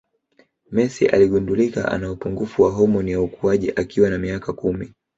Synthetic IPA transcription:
mɛsḭʔa̰liɠundulika̰ʔa̰naupuŋɡufuwaɦɔmɔnijaukuaʄiʔakiwanamiakakumi

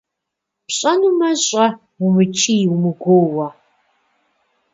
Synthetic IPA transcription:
pɕʼɐnumɐɕʼɐ | ʊmɨt͡ʃʰʼijwmɨɡʷoːwɐ

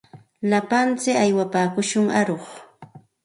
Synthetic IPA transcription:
lapant͡sɪajwapaːkʊʃʊŋaɾoχ

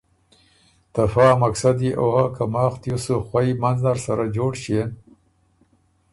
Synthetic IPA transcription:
t̪afaːmaksad̪iʔohakamɑːxt̪jusuxwaimanznaɾsaɾad͡ʒoːɽɕen

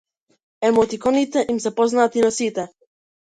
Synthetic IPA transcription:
ɛmɔt̪ikɔnit̪ɛʔimsɛpɔznat̪inasit̪ɛ

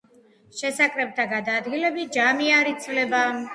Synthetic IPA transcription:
ʃɛsakʼɾɛb̚t̪ʰaɡad̪aːd̪ɡilɛbid͡ʒamiaɾit̪sʰvlɛba

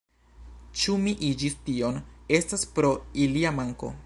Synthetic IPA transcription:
t͡ʃumiʔid͡ʒistio̞ne̞staspɾo̞iliamaŋko̞̰

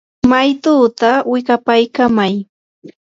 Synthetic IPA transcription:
majt̪uːt̪awɪkapajkamaj

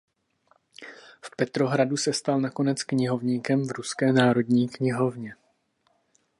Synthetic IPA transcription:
fpɛt̪ɾo̞ɦɾadusɛst̪alnako̞nɛt͡skɲɪɦo̞vɲiːkɛmvɾuskɛːnaːɾo̞dɲiːkɲɪɦo̞vɲɛ

